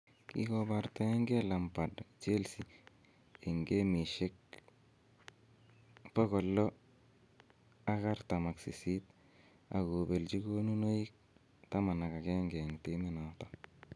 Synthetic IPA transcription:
kḭ˨ko˦ba˨ɾta˦ŋɡe˦la˨mpa˨dt͡ʃe˦lsi˨ | e˨ŋɡe˦mi˨ʃe˦k̚ | po˦kɔ˨lːɔ˦ | a˦ɣa˦ɾta˨ma˨ksi˨si˦t̚ | a̰˨ko˨be˨lt͡ʃi˦ko˦nu˦no˦i˦k̚ | ta˦ma˨na˨ka˨kɛ˦ŋɡɛ˨ŋte˦mɪ˦na˨ta˨

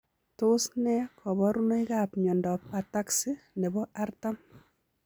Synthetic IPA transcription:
tʊsnɛ˦kʰɔ˨bɔ˦ɾu˦no˦i˦kapɲɔ˨ndɔ˨p̚ataksi˦nɛ˨bɔ˦a˦rtam

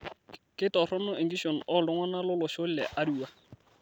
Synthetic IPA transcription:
kɪ˦tɔ˨rɔ˦nʊ˦e˨ŋɡi˦ʃo˨n̩ɔ˦˨lɔ˦ŋwa˦na˦lʊ˦lʊ˨ʃo˦l̩˦lɛ̰˨ʔa˦du˨wa˦

